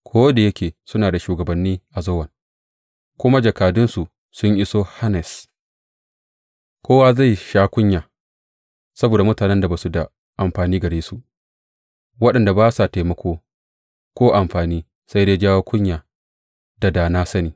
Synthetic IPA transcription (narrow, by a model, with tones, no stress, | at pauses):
kʷʰoː˦wda˨jɐ˦kʲʰeː˨sʊ˦naː˨da˨ʃuː˨ɡɐ˨bɐ˨nːiː˦ʔa˨zo˦wɐ˨ŋ | kʷʊ˦ma˦d͡ʒɐ˨kaː˨dʊ˦nsu˨ | sʊ˦ɲʔɪ˦soː˦ha˦nɛ˨s | kʰʷoː˦wa˦za˦˨jʃaː˦kʷʊ˦ɲjaː˨ | sɐ˦boː˨da˨mʊ˦taː˨nɛ˦nda˨baː˨su˨da˨ | ʔa˨mɸaː˨niː˦ɡɐ˨ɽeː˦su˨ | wɐ˦ɗɐ˨nda˨baː˦sa˨teː˨mɐ˦kʷoː˦ | kʷoː˦ʔa˨mɸaː˨niː˦ | sa˦jdeː˦d͡ʒaː˦woː˦kʷʊ˦ɲjaː˨ | da˨daː˨naː˦sɐ˦niː˨